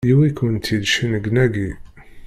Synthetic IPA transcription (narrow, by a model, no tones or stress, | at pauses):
jiwikunt̪ʰid̪ʃənəɡnæɡi